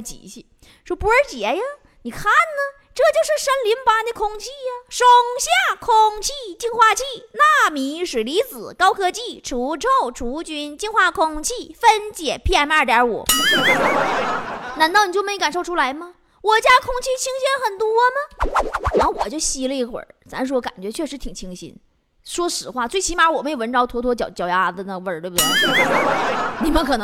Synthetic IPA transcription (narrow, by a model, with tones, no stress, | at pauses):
t͡ɕḭ˨˩ɕi˥˩ | ʂwɔ˥pu˧˥ə˞˧˥t͡ɕjɛ˨˧˥jɐ˧ | ni˨˩kʰa˥˩nnə˩ | ʈ͡ʂɤ˥˧t͡ɕjo˥˧ʊʂɻ̩˥˩ʂə˥nli˧˥npa˧˥d̪ə˧˩kʰʊ˥ŋt͡ɕʰi˥˩jɐ˨ʂo˥ŋɕja˥˩kʰʊ˥ŋt͡ɕʰi˥˧t͡ɕi˥˧nxwa˥˧t͡ɕʰi˥˩na˥˩mi˧˥ʂɻ̩˨˩li˧˥t͡sɹ̩˨˩˦kɑ˥ʊkʰɤ˥t͡ɕi˥˩ʈ͡ʂʰu˧˥ʈ͡ʂʰo˥˩ʊʈ͡ʂʰu˧˥t͡ɕy˥nt͡ɕi˥˧nxwa˥˩kʰʊ˥ŋt͡ɕʰi˥˩fə˥nt͡ɕjɛ˨˩pʰi˥ɛ˥nə˞˥˩t̪jɑ˧˥ṵ˨˩˦ | na˧˥nt̪ɑ˥˩ʊni˨˩t͡ɕjo˥˩˧me˧˥˧ka˨˩nʂo˥˧ʊʈ͡ʂʰu˥la˧˥ɪmɐ˧ | wɔ˨˩t͡ɕja˥kʰʊ˥ŋt͡ɕʰi˥˩t͡ɕʰi˥ŋɕɛ˥nxə˨˩nt̪wɔ˥mə˨a˧˥nxo˥˧wɔ˨˩t͡ɕjo˥˧ʊɕi˧˥lə˧i˥˩xwə̰˨˩˦t͡sa˧˥nʂ̬ɻ̩˥wɔ˧˥ka̰˨˩nt͡ɕɥɛ˧˥t͡ɕʰɥɛ˥˩ʂɻ̩˧˥t̪ʰi˨˩ŋt͡ɕʰi˧˥ŋɕḭ˧˥n | ʂwɔ˥ʂɻ̩˧˥xwa˥˩t͡swe˥˩ɪt͡ɕʰi˧˥ma˧˥wɔ˨˩me˥ɪjo˨˩ə˧˥nʈ͡ʂɑ˥ʊt̪ʰwɔ˥t̪ʰwɔ˥t͡ɕjɑ˧˩ʊt͡ɕjɑ˨˩ʊja˧˥˧d̪ə˨na˥˩ɡə˩wə˞˥˩t̪we˥˩bd̪e˥˩˥ni˨˩mə˦nkʰɤ˨˩nɤ˧˥